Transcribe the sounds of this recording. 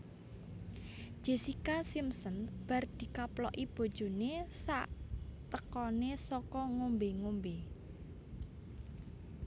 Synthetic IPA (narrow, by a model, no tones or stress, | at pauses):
ʒ̥e̤sikasimsɔnb̥a̤rd̪̥i̤kaplɔʔib̥o̤d̥ʒ̥o̤nesaʔt̪əkɔnesɔkɔŋombeŋombe